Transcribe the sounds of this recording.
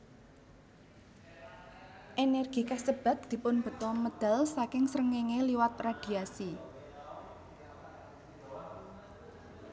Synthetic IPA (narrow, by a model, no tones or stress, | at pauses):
ʔenɛrɡ̥i̤kasəb̥a̤t̪̚d̪̥i̤pʊnb̥ə̤t̪ɔməd̪̥a̤lsakɪŋsɾəŋeŋeliwat̪̚rad̥i̤asi